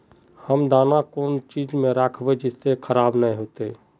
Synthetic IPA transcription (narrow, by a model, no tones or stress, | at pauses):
həmd̪aːnakoːnt͡ʃiːd͡ʒmẽɾaːkʰbed͡ʒɪsːekʰəɾaːbnəĩɦoːt̪e